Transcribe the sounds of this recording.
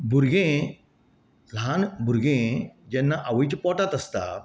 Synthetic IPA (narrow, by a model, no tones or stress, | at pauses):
bʱuɾɡẽ | lanbʱuɾɡẽd͡ʑɛ̃nːaʔaʋəjt͡ɕpɔʈat̪əst̪a̰